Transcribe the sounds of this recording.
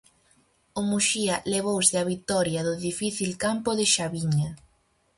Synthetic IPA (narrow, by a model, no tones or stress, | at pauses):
ʊmuʃiɐleβ̞owseaβit̪ɔɾjɐðʊðifiθilkampʊðɪʃaβiɲɐ